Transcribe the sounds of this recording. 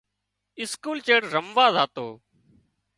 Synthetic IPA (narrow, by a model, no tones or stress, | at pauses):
ɪskuːlt͡ʃeːɽɾəmʋaːzaːt̪oː